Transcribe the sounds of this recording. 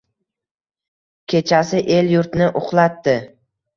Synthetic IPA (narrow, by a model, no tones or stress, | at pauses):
kʲʰe̞t͡ʃʰasɪʔe̞ljʊɾt̪nɪʔʊχlˠat̪ːɪ